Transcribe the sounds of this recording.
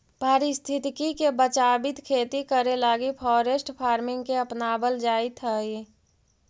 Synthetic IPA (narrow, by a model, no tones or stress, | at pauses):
paːɾist̪ʰɪt̪kikebət͡ʃaːbɪt̪kʰeːt̪ikəɾelaːɡipʰɔːɾesʈpʰaːɾmɪŋɡkeəpnaːbəld͡ʒaːit̪ʰəi